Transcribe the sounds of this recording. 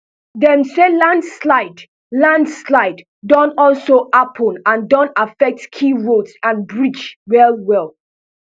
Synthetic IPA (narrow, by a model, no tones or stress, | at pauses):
dɛ̃nselãndslaɪd | lãndslaɪdː | ɔ̃nɔlsoʔapʰənãndɔ̃nafɛk̚tkʰiɹodsãnbɹit͡ʃɹɛlwɛlˠ